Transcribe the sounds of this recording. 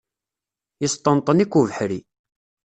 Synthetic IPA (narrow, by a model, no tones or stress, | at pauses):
jist̪ˤənt̪ˤːənikːuvəħɾi